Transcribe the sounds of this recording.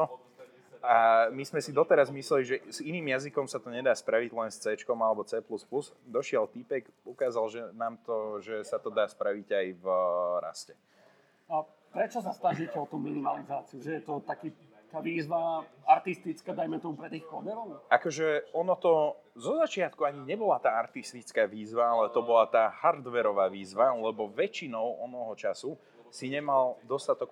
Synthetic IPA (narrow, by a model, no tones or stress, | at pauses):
ɔ | amizmɛsid̪ɔt̪ɛɾazmislɛliʒɛz̥iniːmjazikɔmsat̪ɔɲɛd̪aːspɾaʋiɟlɛnst͡sɛːt͡ʃkɔmalɛbɔt͡sɛːpluspluz | d̪ɔʃɪɛlt̪ipɛkukaːzalʒɛnaːmt̪ɔʒɛsat̪ɔd̪aːspɾaʋiɟajvɾa̰scɛ | pɾɛt͡ʃɔs̬ast̪aʒicɛɔt̪uminimalizaːt͡siuʒɛjɛt̪ɔt̪akiː | t̪aːʋiːzʋaaɾt̪ist̪it͡skaːd̪ajmɛt̪ɔmupɾɛt̪iːxkɔb̪ɛɾɔʊakɔʒɛɔnɔt̪ɔzɔzat͡ʃɪat̪kuaɲiɲɛbɔlat̪aːaɾt̪ist̪it͡skaːʋiːzʋaalɛt̪ɔbɔlat̪aːhaɾd̪ʋɛɾɔʋaːʋiːzʋalɛbɔʋɛt͡ʃinɔʊɔnɔɦɔt͡ʃasu | siɲɛmald̪ɔst̪at̪ɔk